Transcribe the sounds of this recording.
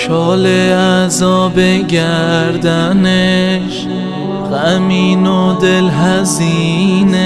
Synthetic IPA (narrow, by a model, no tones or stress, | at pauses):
ʃʰɒːleæzɒːbe̞ɟæɾd̪æneʃ | ɣæmiːnod̪e̞lɦæziːne